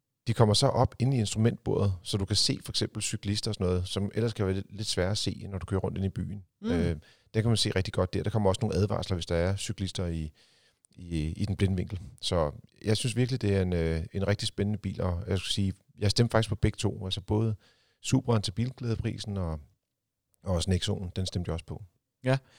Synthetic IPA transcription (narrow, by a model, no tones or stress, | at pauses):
d̥ikʰɒ̽m̰ɐsɒ̽ʔɒ̽b̥e̝nn̩ie̝nsd̥ʁumen̰d̥̚b̥o̝ɐ̰ð̞̩ˠsɒ̽d̥ukʰæse̝̰ːfɒ̽eɡ̥sem̰b̥l̩sykʰlisd̥ɐɒ̽sɒ̽nɔ̽ːð̞̩ˠsɒ̽mʔel̰ɐskʰæʋæːɐle̝d̥sʋæːɐæse̝̰ːnɒɾ̥u̥kʰøːɐʁɔ̽n̰d̥e̝nib̥y̰ːn̩ø | d̥ekʰæmænse̝̰ːʁɛɡ̥̚d̥iɡ̥ɒ̽d̥̚d̥æɐɾ̥ɑ̈kʰɒ̽m̰ɐɒ̽səno̝ːn̩æðˠʋɑ̰̈ːslɐʋe̝sd̥ɑ̈æɐsykʰlisd̥ɐi | iid̥enb̥le̝nəʋe̝ŋ̰ɡ̥l̩sɒ̽jɑ̈ɪsynsʋiɐɡ̥lid̥e̝æɐe̝nøe̝nʁɛɡ̥̚d̥isb̥enənəb̥ḭːlʔɒjɑsɡ̥u̥siː | jɑ̈ɪsd̥emfɑ̈ɡ̥ispʰɒ̽b̥eɡ̥t͡sʰo̝̰ːælsɐb̥ɔ̽ːðˠə | sṵːb̥ʁɐent͡sʰeb̥ḭːlɡ̥lɛːð̞ˠpʰʁḭːsn̩ɒ̽ | ɒ̽sneɡ̥so̝̰ːn̩d̥ensd̥emd̥jsə̥pʰɒ̽